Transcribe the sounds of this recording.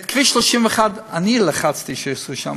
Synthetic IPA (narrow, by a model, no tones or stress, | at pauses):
t̪kviːʃlɔʃimvɛχadanilaχat͡st̪iʃɛasuʃa̰m